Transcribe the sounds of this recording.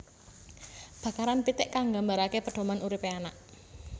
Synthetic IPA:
b̥ä̤kaɾanpit̪ɪʔkaŋɡambaɾakepəɖ̥o̤manʔuɾipeanaʔ

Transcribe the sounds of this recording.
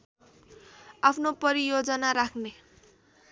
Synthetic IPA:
apʰnopʌɾijod͡zʌnaɾakʰne

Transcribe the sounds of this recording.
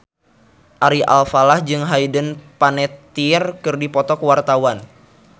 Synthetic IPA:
ʔaɾiʔa̰lfalahd͡ʒɨŋɦaidənpanɛt̪irkɨrdipɔt̪ɔkəwart̪awan

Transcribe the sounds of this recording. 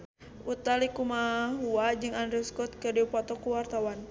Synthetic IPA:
ʔut̪alikumaɦuad͡ʒɨŋandɾiuskɔt̪̚kɨrdiupɔt̪ɔkuwart̪awan

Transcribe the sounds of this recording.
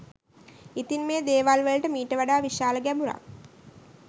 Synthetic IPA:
it̪inmeːd̪eːʋalʋələʈəmiːʈəʋaɖaːʋiʃaːləɡæbuɾa̰

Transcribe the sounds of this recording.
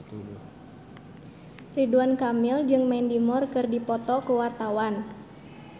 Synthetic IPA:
riduankamild͡ʒɨŋmɛndimɔrkɨrdipɔt̪ɔkuwart̪awan

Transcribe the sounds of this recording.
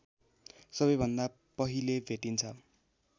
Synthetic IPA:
sʌbʌjbʱʌnd̪a | pʌɦilebʱeʈint͡sʰʌ

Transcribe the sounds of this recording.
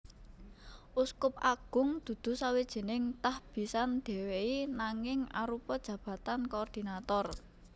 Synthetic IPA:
ʔuskʊp̚aɡ̥ʊ̤ŋd̪̥ṳd̪̥ṳsawed̥ʒ̥e̤nɪŋt̪ahb̥i̤sand̪̥e̤weinaŋɪŋa̰ɾupɔd̥ʒ̥ä̤b̥a̤t̪ankoːrd̪̥i̤nat̪ɔr

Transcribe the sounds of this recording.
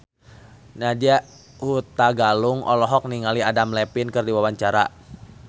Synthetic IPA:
nadiaʔ | hut̪aɡalʊŋʔɔ̰lɔɦɔk̚niŋaliadamlɛpinkərdiwawaɲt͡ʃaɾa

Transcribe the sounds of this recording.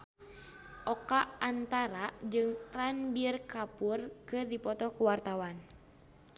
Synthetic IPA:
ʔɔkaant̪aɾad͡ʒɨŋranbirkapurkɨrdipɔt̪ɔkuwart̪awan

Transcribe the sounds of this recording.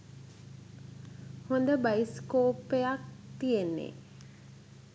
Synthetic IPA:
hond̪əbajskoːpːejak̚t̪ijenːḛ

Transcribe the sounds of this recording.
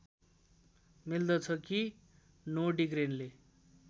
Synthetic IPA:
mild̪ʌt͡sʰʌki | noɖiɡɾenle

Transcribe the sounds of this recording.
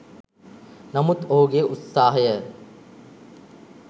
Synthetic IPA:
nɐmut̪oːɡeʔut̪saːɦɐjə

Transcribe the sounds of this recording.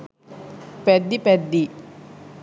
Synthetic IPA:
ped̪ːiped̪ːi

